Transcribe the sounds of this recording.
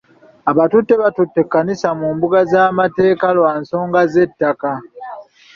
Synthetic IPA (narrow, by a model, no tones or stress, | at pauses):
aβatutːe̞βatutːe̞kːanisamuːmbuɡazaːmate̞ːkalwaːnso̞ːŋɡaze̞tːaka